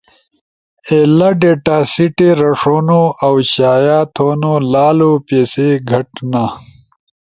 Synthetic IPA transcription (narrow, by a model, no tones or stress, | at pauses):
elaɖeːʈaːsiʈeɾɐʂoːnoɐwɕaːjaːt̪ʰoːnolaːlopeːseɡʱɐʈna